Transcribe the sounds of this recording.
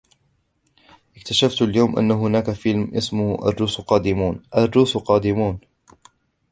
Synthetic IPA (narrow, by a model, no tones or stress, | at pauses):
ʔɪkt̪aʃaft̪aljawmʔa̰nːaɦʊnaːkafɪlmʔɪsmʊhʔa̰rːuːsqɑːd̪ɪmuːnʔarːuːsqɑːd̪ɪmuːn